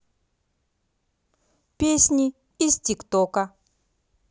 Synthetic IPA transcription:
pʲesʲnʲi | istʲikt̪ɔkɐ

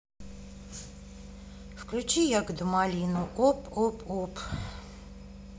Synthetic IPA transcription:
fklʲʊt͡ɕijaɡd̪ʊmalʲinʊʔopopop

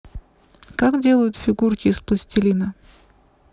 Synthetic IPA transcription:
kakdʲe̞lˠəjʊt̪fʲɪɡurkʲɪːsplˠəsʲtʲɪlʲinə

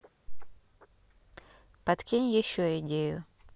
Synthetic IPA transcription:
pɐt̪kʲinʲjɪɕːoɪdʲejʊ

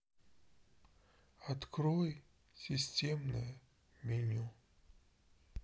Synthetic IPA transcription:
at̪kɾoj | sʲisʲtʲemnɨ̰jʊ | mʲinʲu

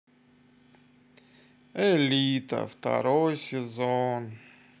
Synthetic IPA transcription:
ɛlʲit̪ə̰ft̪a̰ɾojsʲɪzon

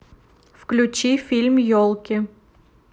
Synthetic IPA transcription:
fklʲut͡ɕifʲilʲmjolˠkʲɪ

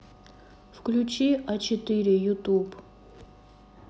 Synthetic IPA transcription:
fklʲut͡ɕiɐt͡ɕɪt̪ɨɾʲɪjʊt̪up

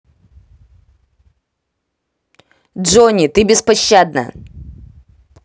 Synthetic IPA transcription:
dʐonʲit̪ɨbʲɪspɐɕːad̪̚nə̰

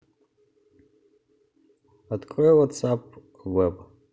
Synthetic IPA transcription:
adkʷʼɔwatt͡sap̚ʰ | wɛb

